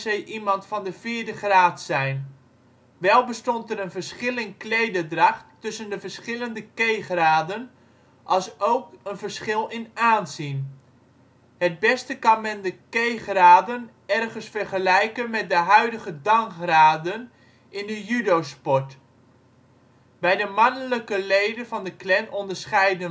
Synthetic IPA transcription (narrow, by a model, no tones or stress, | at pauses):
zɛjʔimɑntfɑndəfɪːɹdəχraːtsɛjn | ʋɛlˠbəstɔntəɾənvəɹsχɪlˠɪnklejdədrɑχtː | ɵsəndəvəɹsχɪləndəkejχraːdən | ʔɑlˠsowkənvəɹsχɪlˠɪnaːnzin | ɦəd̚bɛstəkɑnmɛndəkejχraːdən | ɛrχənsfɛrχəlɛjkənmɛt̚dəɦœɥdəχədɑŋkraːdən | ɪndəjydowspɔɹt | bɛjdəmɑnələkəlejdənvɑndəklɛnɔndəɹsχɛjdə